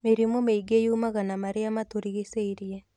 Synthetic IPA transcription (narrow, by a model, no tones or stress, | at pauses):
meɾimomeiɡejumaɣanamaɾeamatoɾiɣeseiɾiɛ